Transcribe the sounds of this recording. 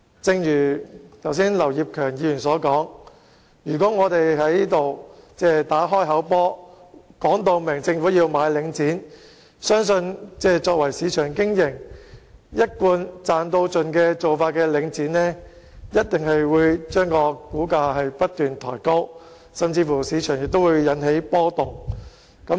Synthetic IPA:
t͡sɪ˧ŋjyː˨˩t̪ʰɐ˨˩wsiː˥nlɐ˨˩wjiː˨p̚kʰœː˨˩ŋjiː˨˧jyː˨˩nsɔː˨˥kɔː˨˥ŋ | jyː˨˩k̬ɔː˨˥ŋɔː˨˧t̪e˨jɦɐ˨˥jniː˥t̪o˨wt͡sɛː˥t̪aː˨˥ɦɔː˥jɦɐ˨˥wpɔː˥kɔː˨˥ŋt̪o˧wmɪ˨˩ŋt͡sɪ˧ŋfuː˨˥jiː˧wmaː˨˧jlɪ˨˧˥ŋt͡siː˨˥n | sœː˥ŋsɵ˧nt͡sɛː˥t͡sɔː˧k̚wɐ˨˩jsiː˨˧t͡ʃʰœː˨˩ŋkɪ˥ŋjɪ˨˩ŋ | jɐ˥t̚kuː˧nt͡saː˨nt̪o˧wt͡sɵ˨nkɛː˧t͡so˨wfaː˧t̚kɛː˧lɪ˨˧ŋt͡siː˨˥nlɛː˥ | jɐ˥t̚t̪ɪ˨ŋɦɐ˨jwuː˨˧jt͡ʃœː˥ŋkɔː˧kuː˨˥kaː˧ɦɐ˨jpɐ˥t̚t̪yː˨nt̪ʰɔ̰ː˨˩jko˥w | sɐ˨˩mt͡siː˧fuː˨˩siː˨˧˥t͡ʃʰœː˨˩ŋjɪ˨k̚t̪o˥wuː˨˧jjɐ˨˥nɦe˨˥jpɔː˥t̪ʊ˨k̚ | kɐ˨˥

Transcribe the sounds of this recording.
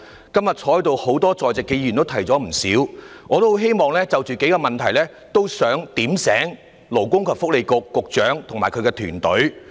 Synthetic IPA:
kɐ˥mjɐ˨t̚t͡sʰɔː˧˥jt̪o˨˧who˨˥wt̪ɔː˥t͡sɔː˨jt͡sɪ˨kːe˨˧jyː˨˩nt̪o˥wt̪ʰɐ˨˩jt͡sɔː˨˥m̩˨˩siː˨˥wŋɔː˨˧t̪o˥ɦe˥jmɔː˨˧ŋlɛː˥t͡sɐ˨wt͡ʃyː˨˩ke˨˥jkɔː˧mɐ˨nt̪ʰɐ˨˩jlɛː˥ | t̪o˥wsœː˨˥ŋt̪iː˨˥msɛː˨˥ŋ | lo˨˩wkʊ˥ŋkʰɐ˨˧p̚fʊ˥k̚le˨˧jkʊ˨kːʊ˨k̚t͡ʃœː˨˥ŋt̪ʰʊ˨˩ŋmaː˨˩jkʰɵ˨˧ɥkɛː˧t̪ʰyː˨˩nt̪ɵ˨˥ɥ

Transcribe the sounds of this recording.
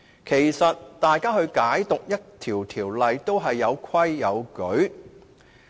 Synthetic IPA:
kʰe˨˩jsɐ˨t̚t̪aː˨jkaː˥ɦɵ˧ɥkaː˨˥jt̪ʊ˨k̚jɐ˥t̚t̪ʰiː˨˩wt̪ʰiː˨˩wlɐ˨jt̪o˥wɦɐ˨jːɐ˨˧wkʰɐ˥jːɐ˨˧wkɵ˨˥ɥ

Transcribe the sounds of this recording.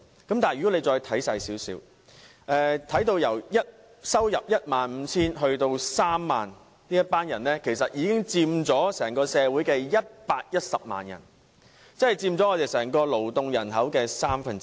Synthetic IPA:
kɐ˨˥mt̪aː˨jɥyː˨˩ɔ˨˥ne˨˧t͡sɔː˧jt̪ʰɐ˨˥jsaː˧jsiː˨˥wsiː˨˥w | ʔɛː˨˧t̪ʰɐ˨˥jt̪o˧wjɐ˨˩wjɐ˥t̚ | sɐ˥wjɐ˨p̚jɐ˥t̚maː˨nm̩˨˧t͡sʰiː˥nɦɵ˧ɥt̪o˧wsaː˥mːaː˨n | niː˥jɐ˥t̚paː˥njɐ˨˩nlɛː˥kʰe˨˩jsɐ˨t̚jiː˨˧kɪ˥ŋt͡siː˧mt͡sɔː˨˥sɛː˨˩ŋkɔː˧sɛː˨˧wu˨˥jkɛː˧jɐ˥t̚paː˧k̚jɐ˥t̚sɐ˨p̚ma̰ː˨njɐ̰˨˩n | t͡sɐ˥hɐ˨˩jt͡siː˧mt͡sɔ˨˥ŋɔː˨˧t̪e˨jsɛː˨˩ŋkɔː˧lo˨˩wt̪ʊ˧ŋjɐ˨˩nɦɐ˨˥wkɛː˧saː˥mfɐ˧nt͡s

